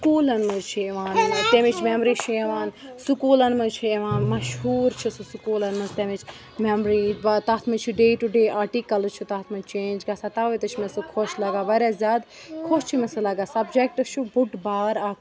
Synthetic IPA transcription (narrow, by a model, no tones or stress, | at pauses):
skuːlɐnmɐzt͡ʃʰieʋaːnt̪emit͡ʃʰmemɾiːt͡ʃʰieʋaːnsukuːlɐnmɐt͡ʃʰieʋãːnmɐʃɦuːɾt͡ʃʰisusukuːlɐnmɐnzt̪emit͡ʃʰ | memɾiːʋat̪aːt̪ʰmɐt͡ʃʰiɖeːʈuɖeːʔaːɾʈiːkɐlt͡ʃʰit̪aːt̪ʰmɐnt͡ʃẽːnd͡ʒɡaːsat̪aːʋɐt̪ɐt͡ʃʰmesɨkʰoːʃlɐɡaːʋɐɾʲjaːzʲjaːd̪ | kʰoːʃt͡ʃʰimesɐlɐɡaːsɐbd͡ʒek̚ʈɨt͡ʃʰubuʈbaːɾaː